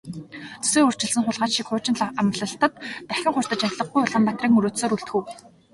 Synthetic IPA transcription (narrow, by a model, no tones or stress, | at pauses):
t͡sɵ̥seːur̥t͡ɕɪ̆ɮsɘ̆ŋχʊɮʁaːt͡ɕʃikχʊːt͡ɕɪ̆nɮamɮə̆ɬt̪ə̆t̪ːæxʲɪ̆ŋχʊr̥ʲt̪ə̆t͡ɕaɮə̆χ̚ɡujʊɮʁə̆mpat̪riːŋɵɾoːt̪soːɾuɬt̪xɘ̆w